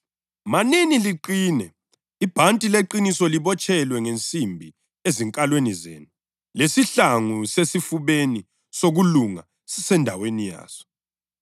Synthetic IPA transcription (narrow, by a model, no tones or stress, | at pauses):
maniniliǃiːnɛ | ib̥ʱantʼileǃinisɔliβɔt͡ʃʰʼɛlwɛŋent͡sʼimbʱi | eziŋkʼalwenizḛːnu | lesiɬaŋusesifuβeni | soɣuluŋa̰ | sɛndʱawenija̰ːz̥ɔ̥